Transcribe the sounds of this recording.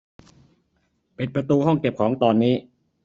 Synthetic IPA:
pi˨˩t̪̚pɾa˧t̪uː˧hɔ˥˩ŋke˨˩p̚kʰɔː˩˦ŋt̪ɔː˧nːiː˦˥

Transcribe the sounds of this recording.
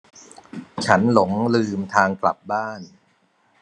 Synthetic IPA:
t͡ɕʰa˦˥nlo˩˦ŋlɯː˧mt̪ʰaː˧ŋkla̰˨˩p̚baː˥˩n

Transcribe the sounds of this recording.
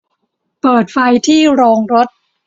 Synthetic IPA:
pɤː˨˩t̪̚fa˧jt̪ʰiː˥˩ɾɔː˧ŋɾo˦˥t̪̚

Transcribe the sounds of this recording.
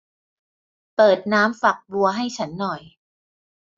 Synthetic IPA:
pɤː˨˩t̪̚naː˦˥mfa˨˩k̚bu˧ɐɦa˥˩jt͡ɕʰa˦˥nːɔ˨˩j

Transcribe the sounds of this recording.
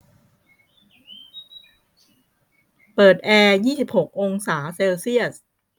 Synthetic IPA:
pɤː˨˩t̪̚ʔɛː˧jiː˥˩si˨˩p̚ho˨˩k̚ʔo˧ŋsaː˩˦seː˧wsi˥˩əs

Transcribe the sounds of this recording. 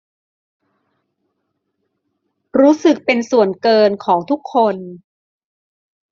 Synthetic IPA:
ɾuː˦˥sɯ˨˩k̚pe˧nsu˨˩ənkɤː˧nkʰɔː˩˦ŋt̪ʰu˦˥kʰːo˧n

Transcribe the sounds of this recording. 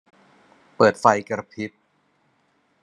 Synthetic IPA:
pɤː˨˩t̪̚fa˧jkɾa˧pʰi˦˥t̪̚

